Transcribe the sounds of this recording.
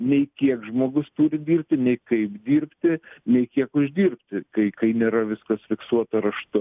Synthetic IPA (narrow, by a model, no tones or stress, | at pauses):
nʲɛɪkʲiɛkʒmoːɡʊst̪uːɾʲɪd̪ʲiːrp̚ʲt̪ʲɪnʲɛɪkɐɪpd̪ʲiːrpʲt̪ʲɪnʲɛɪkʲiɛkʊʒʲd̪ʲiːrpʲt̪ʲɪkɐɪkɐɪnʲeːɾɐʋʲɪskɐsfʲɪksuɔt̪ɐɾɐʃt̪ʊ